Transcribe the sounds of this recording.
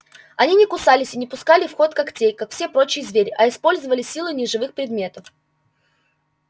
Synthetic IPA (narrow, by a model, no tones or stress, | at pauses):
ɐnʲinʲɪkʊsalʲɪsʲɪnʲɪpʊskalʲɪfxo̞t̪kɐktʲejkakfsʲepɾo̞t͡ɕɪjzvʲeɾʲɪʔɐɪspo̞lʲzəvəlʲɪsʲːilˠʊnʲɪʐɨvɨxpɾʲɪd̪mʲe̞t̪əf